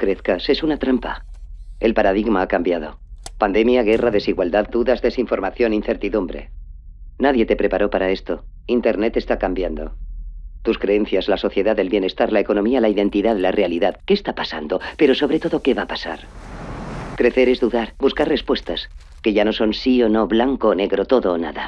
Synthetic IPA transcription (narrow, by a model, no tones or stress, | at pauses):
kɾe̞θkase̞sunat̪ɾampa̰ | e̞lpaɾaðiɣmaakambjaðo̞̰ | pand̪e̞mjaɣ̞e̞raðe̞siɣwald̪aðd̪uðazðe̞siɱfo̞ɾmaθjo̞ninθe̞ɾt̪iðumbɾe̞̰ | naðje̞t̪e̞pɾe̞paɾo̞paɾae̞st̪o̞ | int̪e̞ɾne̞t̪e̞st̪akambjand̪o̞̰t̪uskɾe̞e̞nθjazlaso̞θje̞ðaðelβje̞ne̞st̪aɾlae̞ko̞no̞mialaiðe̞nt̪iðaðlarealiðaðke̞st̪apasa̰nd̪o̞pe̞ɾo̞so̞βɾe̞t̪o̞ðoke̞βapasa̰ɾ | kɾe̞θe̞ɾe̞zðuðaɾbuskaɾre̞spwe̞st̪as | keʝanoso̞nsio̞no̞βlaŋkone̞ɣɾo̞t̪o̞ðonaða